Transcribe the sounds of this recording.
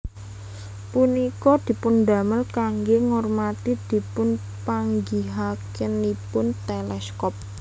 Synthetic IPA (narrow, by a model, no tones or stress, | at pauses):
punikɔd̪̥i̤pʊnd̪a̤məlkaŋɡeŋɔrmat̪id̪̥i̤pʊn | paŋɡiɦakənipʊnt̪elɛskɔp̚